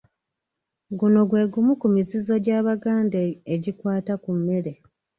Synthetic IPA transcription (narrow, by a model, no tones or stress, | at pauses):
ɡuno̞ɡwe̞ːɡumukumizizo̞ɟaːβaɡaːndeːɟikwaːtakumːe̞ɾe̞